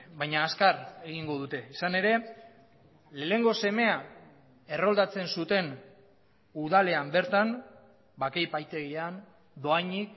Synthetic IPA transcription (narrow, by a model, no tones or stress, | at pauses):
bajɲaːskare̞ɣiŋɡo̞ð̞ut̪e̞isane̞ɾe̞ | le̞ːe̞ŋɡo̞se̞me̞a | e̞ro̞ld̪at͡se̞nsut̪e̞n | uðale̞ambe̞ɾt̪an | bakejpajt̪e̞ɣian | d̪o̞aɲik̚